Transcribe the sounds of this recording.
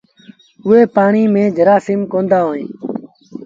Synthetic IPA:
ʊɦeːpaːɳiːmẽːd͡ʒʱəɾaːsɪːmkõːnd̪aːɦoːnḭ̃ː

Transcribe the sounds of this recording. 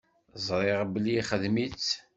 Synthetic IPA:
zˤɾˤeʁbəlːiχəðmit͡sː

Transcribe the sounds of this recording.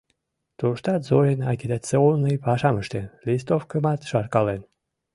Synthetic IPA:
t̪uʃt̪ɑt̪zojenɑkʲid̪at͡seolnəjpɑʃɑməʃt̪enlʲis̬t̪ofkəmɑt̪ʃɑrkɑlen

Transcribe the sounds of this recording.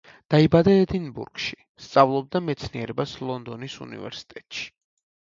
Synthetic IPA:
d̪̥aibad̪aɛd̪inbṵɾɡ̥ʃi | st̪sʼavlˠɔb̚d̪amɛt̪sʰniɛɾɛbaslˠɔnd̪ɔnisṵnḭvɛ̰ɾsi̥t̪ʼɛt̪ʼʃi̥

